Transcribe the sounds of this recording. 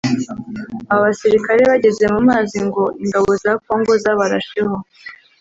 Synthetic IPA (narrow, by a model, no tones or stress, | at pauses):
aβaβasiɾikaɾe̞βaɟe̞ze̞mumaːziŋɡo̞ʔiŋɡaβo̞zak̚o̞ːŋɡo̞zaβaɾaʃe̞ho̞